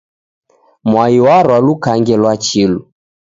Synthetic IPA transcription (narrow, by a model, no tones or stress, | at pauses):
mwaiwaɾwalukaŋɡɛlwat͡ʃilu